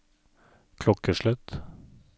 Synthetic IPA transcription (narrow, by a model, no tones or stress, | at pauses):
kʰlɔkəʃɭœt̪